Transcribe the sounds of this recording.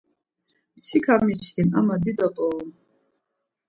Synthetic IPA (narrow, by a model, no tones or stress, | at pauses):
mt̪sʰikʰamit͡ʃʰt̪ʰinamad̪id̪at̪ʼɔɔm